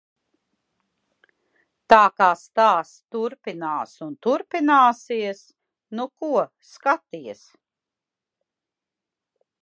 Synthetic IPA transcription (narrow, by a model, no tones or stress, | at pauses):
t̪aːkaːst̪aːst̪uɾpinaːsunt̪uɾpinaːsiɛs | nukuɔ | skat̪ijɛs